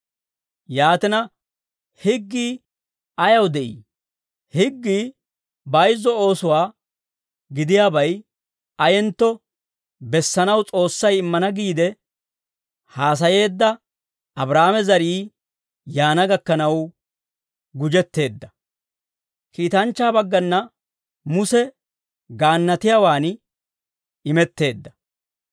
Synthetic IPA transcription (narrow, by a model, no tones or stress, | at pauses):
jaːt̪ɪnɐ | hɪɡːiː | ɐjɐwd̪ɛʔḭː | hɪɡːiː | bɐjzːɔo̞ːsʊwaː | ɡɪd̪ɪjaːbɐj | ɐjɛnt̪ːɔ | bɛsːɐnɐwt͡sʼo̞ːsːɐjɪmːɐnɐɡiːd̪ɛ | haːs̬ɐje̞ːd̪ːɐ | ɐbɾaːmɛzɐɾiː | jaːnɐɡɐkːɐnɐw | ɡʊd͡ʒɛt̪ːe̞ːd̪ːɐ | kiːt̪ɐnt͡ʃːaːbɐɡːɐnːɐ | mʊsɛ | ɡaːnːɐt̪ɪjaːwaːn | ɪmɛt̪ːe̞ːd̪ːɐ̥